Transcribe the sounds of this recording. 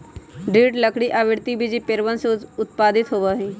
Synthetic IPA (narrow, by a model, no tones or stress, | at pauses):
ɖiːʈləkɽiʔaːʋɪɽt̪ibʱid͡ʒipɪɾʋənseʊt̪paːd̪ɪt̪ɦoʋaɦĩː